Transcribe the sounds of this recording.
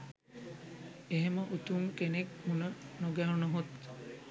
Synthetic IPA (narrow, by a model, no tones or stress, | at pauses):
eɦeməʔut̪uŋkenek̚munənoɡæɦunəɦot̪